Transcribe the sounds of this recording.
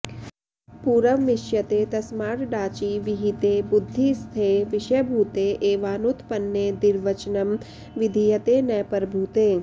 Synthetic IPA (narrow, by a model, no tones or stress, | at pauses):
puːɾɐmːɪʃjɐt̪eːt̪ɐsmaːʈɖaːt͡ʃiːʋiɦit̪eːbʊd̪ʱːist̪ʰeːʋɪʃɐbʱuːt̪eːʔeːʋaːnut̪pɐnːeːd̪ɪɾʋɐt͡ʃnɐm | ʋɪd̪ʱijɐt̪eːnɐjpəɾbʱut̪eː